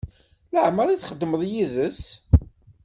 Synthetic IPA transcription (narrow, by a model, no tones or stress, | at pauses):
ləʕməɾiθχəd̪ːməðˤjiðəs